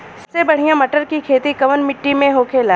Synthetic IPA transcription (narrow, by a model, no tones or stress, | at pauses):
sebɐɽ̤ijãmɐʈəɾkikʰeːt̪ikɐʋənmɪʈːimẽɦoːkʰeːlaː